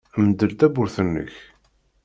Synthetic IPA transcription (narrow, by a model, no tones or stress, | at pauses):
əmd̪əlt̪æbʊɾθənːə̰ç